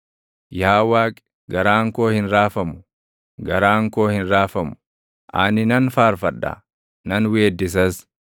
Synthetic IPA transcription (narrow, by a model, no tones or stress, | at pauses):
jaːwaːkʼ | ɡɐɾaːŋkoːhɪnɾaːfɐmʊ̥ | ɡɐɾaːŋko̞ːhɪnɾaːfɐm | ʔa̰ːnɪnɐnfaːɾfɐᶑːɐ̰ | nɐnweːd̪ːɪs̬ɐs